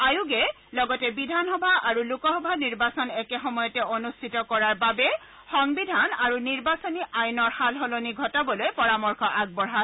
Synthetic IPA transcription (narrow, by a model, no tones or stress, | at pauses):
ajuɡɛ | lɔɡɔtɛbidʱanxɔbʱaaɹulukɔxɔbʱaniɹbasɔnɛkɛxɔmɔjɔtɛonustʰitɔkɔɹaɹbabɛ | xɔŋbidʱanaɹuniɹbasɔniʔajnɔɹxalɦɔloniɡʱɔtabɔlojpɔɹamɔɹkʰɔʔaɡ̚bɔɹɦa